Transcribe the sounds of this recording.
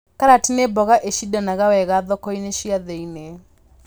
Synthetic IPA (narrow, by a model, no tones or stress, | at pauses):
kaɾatinebɔɣaʔeʃidanaɣawɛɣaðɔkɔineʃiaðeine